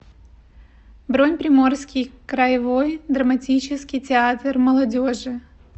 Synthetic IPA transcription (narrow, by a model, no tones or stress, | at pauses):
bɾonʲpɾʲɪmo̞rskʲɪjkɾəjɪvojd̪ɾəmɐtʲit͡ɕɪskʲɪjtʲɪat̪rməlˠɐdʲoʐɨ